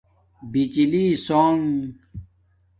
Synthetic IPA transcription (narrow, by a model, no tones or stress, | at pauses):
bit͡ɕilisoːŋ